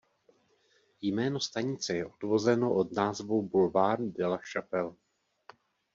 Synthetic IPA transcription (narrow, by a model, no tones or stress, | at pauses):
jmɛːno̞st̪aɲɪt͡sɛjɛʔo̞dvo̞zɛno̞ʔo̞dnaːzvowbulvaːɾndɛlaʃapɛl